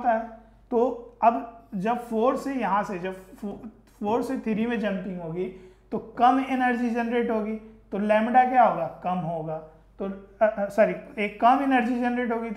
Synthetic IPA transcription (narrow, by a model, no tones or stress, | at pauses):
t̪aɦɛː | t̪oːɐbd͡ʒɐbfoːɾsejɐɦãsed͡ʒɐb | foːɾset̪ʰɪɾimẽd͡ʒɐ̃npɪ̃ŋɡɦoːɡit̪okɐmɪnəɾd͡ʒid͡ʒɐnɾeːʈɦoːɡiːt̪olɛ̃ːmɖak̬jaɦoːɡaːkɐmɦoːɡaː | t̪osɐɾieːkːɐmɪnəɾd͡ʒid͡ʒɐnɾeːʈɦoːɡit̪